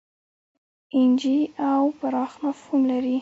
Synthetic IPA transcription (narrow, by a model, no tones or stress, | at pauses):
ɪnd͡ʒiawpaɾɑxnɑfunlaɾi